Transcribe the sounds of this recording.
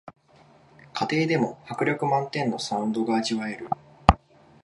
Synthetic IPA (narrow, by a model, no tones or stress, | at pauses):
kʰat̪e̞ːd̪e̞mo̞hakɯ̟ɾʲjokɯ̟mãnt̪ẽ̞nːo̞sãɯ̟̃nd̪o̞ɡaːʑiβae̞ɾɯ̟